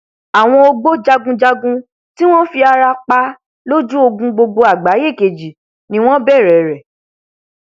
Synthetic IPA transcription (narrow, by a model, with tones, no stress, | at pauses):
a˨w̃ɔ̃˧o˧ɡ͡bo˦d͡ʒa˧ɡũ˧d͡ʒa˧ɡũ˧ | ti˦w̃ɔ̃˦fi˧a˧ɾa˧k͡pa˧ | lo˦d͡ʒu˦o˧ɡũ˧ɡ͡bo˧ɡ͡bo˧a˨ɡ͡ba˨˦je˦˨ke˨d͡ʒi˨ | nĩ˨˦w̃ɔ̃˦bɛ˦˨ɾɛ˨ɾɛ˨